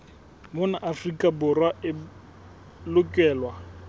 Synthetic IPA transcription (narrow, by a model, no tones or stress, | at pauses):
bʊnaʔafrikʼabʊrwaɪ | lʊkʼɛːlwa